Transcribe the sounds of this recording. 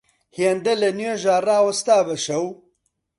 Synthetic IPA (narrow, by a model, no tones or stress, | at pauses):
hiend̪ɐlɐnjeʒaːraːwɐst̪aːbɐʃɐw